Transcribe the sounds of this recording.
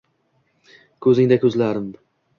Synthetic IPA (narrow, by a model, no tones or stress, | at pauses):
kʲʰɵzɪŋd̪akʲʰɵzlaɾɪm